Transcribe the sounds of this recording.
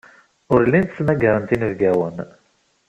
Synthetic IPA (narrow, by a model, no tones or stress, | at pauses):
ʊɾlːint̪snæɡəɾənt̪inəvɡæwən